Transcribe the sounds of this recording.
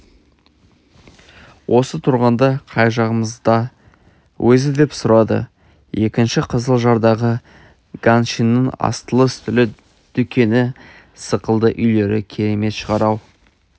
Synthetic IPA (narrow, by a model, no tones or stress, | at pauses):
wʔo̞sət̪ʰʊɾʁɑnd̪ɑqʰɑjʒɑʁəməzd̪ɑ | wʔɵzɪd̪e̞psʊɾɑd̪ə̰ | je̞kʲɪnʃɪqʰəzəlˠʒɑɾd̪ɑʁə | ɡ̥anʃinːəɴɑ̰st̪əlˠəst̪ʰʏlɪ | d̪̥ʏkʲe̞nɪ | səqəlˠd̪əʔʏjle̞ɾɪkʲʰe̞ɾe̞me̞t̪ʃəʁɑɾɑw